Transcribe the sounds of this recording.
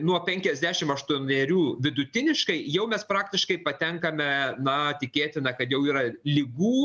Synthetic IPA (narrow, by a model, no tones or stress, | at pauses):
nuɔpʲɛŋʲkʲɛzʲd̪ʲæːʃʲɪmɐʃt̪uɔnʲeːɾʲuːʋʲɪd̪ʊt̪ʲɪnʲɪʃkɐɪjɛʊmʲɛspɾɑːkt̪ʲɪʃkɐɪpɐt̪ʲɛŋkɐmʲɛnɐt̪ʲɪkʲeːt̪ʲɪnɐkɐt̪jɛʊiːɾɐlʲɪɡuː